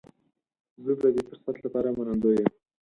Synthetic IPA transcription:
zəd̪ad̪efʊɾsat̪lapɑɾamanand̪ojəm

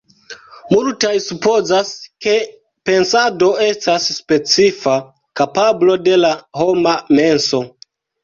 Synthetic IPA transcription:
multajsupo̞zaske̞ | pe̞nsado̞e̞stasːpe̞t͡sifa | kapablo̞de̞laho̞mame̞nso̞

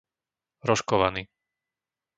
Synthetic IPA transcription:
ɾɔʃkɔʋaniː

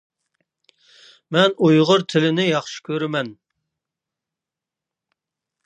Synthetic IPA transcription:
mɛnujʁʊɾt̪ʰɪlɪnɪjɑχʃi̥kʲøɾɪmɛn

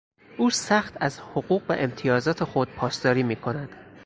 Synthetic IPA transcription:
ʔuːsæxt̪ʰæzho̞ɢuːɣvæ̰ʔe̞mt̪ʰijɒːzɒːt̪ʰe̞xo̞d̪̥̚pʰɒːst̪ɒːɾiːmiːkʰo̞næd̪̥

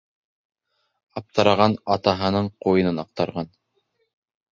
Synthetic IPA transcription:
ɑp̚t̪ɑɾɑʁɑnɑt̪ɑɦɤ̆nɤɴqujɤ̆nɤnɑq̚t̪ɑɾʁɑn

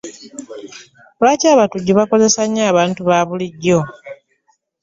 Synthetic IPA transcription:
βaːcaːβatuɟuβako̞ze̞saɲːaːβaːntuβaːβuliɟːo̞

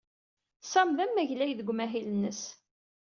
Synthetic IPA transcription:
sɑmðæmːæʝlæjðəɡʷmæɦilənːəs

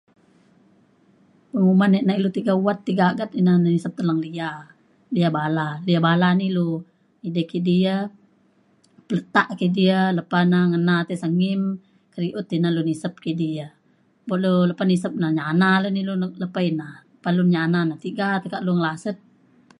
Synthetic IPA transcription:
pəŋumanɛʔnailut̪iɡauwat̪ːiɡaɡat̪inannisəp̚t̪əlaŋlia | liabalaliabalanilu | idəkiʔdiə | pələt̪aʔkidiələpanaŋənat̪ɛsəŋim | kəɾiʔʊt̪inalunisəp̚kiʔdiə | bɔʔluləpanisəp̚naɲanaləniluləpainaəpalunɲananat̪iɡat̪əkaʔluŋəlasət̪̚

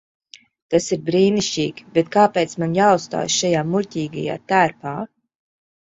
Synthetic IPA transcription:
t̪asiɾbɾiːniʃt͡ʃiːkʲbet̪̚kaːpeːt̪smanjaːust̪a̰ːjʃajaːmulʲt̪ʲiːɡa̰ja̰ːt̪æːɾpaː

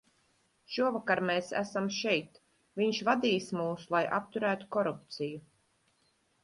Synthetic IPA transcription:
ʃuɔvakaɾmeːsæ̰samʃɛjt̪ | viɲʃvad̪iːsmuːsulˠajʔa̰p̚t̪uɾæːt̪u̥kɔɾup̚t̪siju

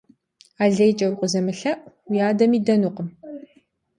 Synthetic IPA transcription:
aːɮɐjt͡ʃʼɐwqʷʼəzɐmɨɬɐʔwijaːdɐmiːdɐnuːqəm

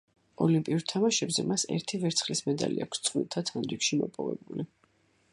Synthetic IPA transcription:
ɔlimpʼiuɾt̪ʰamaʃɛbzɛmasɛ̰ɾt̪ʰivɛɾt̪sʰχlismɛd̪aliakʰst̪sʼχʼwḭlˠt̪ʰat̪ʰanɾikʃimɔpʼɔvɛbuli

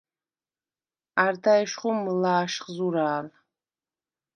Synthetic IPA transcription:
artʰajʃχumɨlaːʃχzuɾaːl

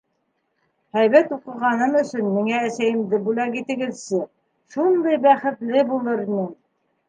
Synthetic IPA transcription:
hæjβæt̪uqɤ̆ʁɑnɤmɵ̆sɵnmiŋæːsæjɘ̆md̪ɘbʉlækit̪ɘ̆ɡɘ̆ðsɘ | ʃund̪ɤjbæχɘ̆t̪lɘbulˠɤɾinɘm

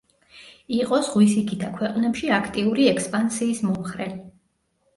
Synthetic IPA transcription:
iqʼɔsʁwisikʰit̪ʰakʰwɛqʼnɛpʃiakʰt̪ʼiuɾiɛkʰspʼansiːsmɔmχɾɛ

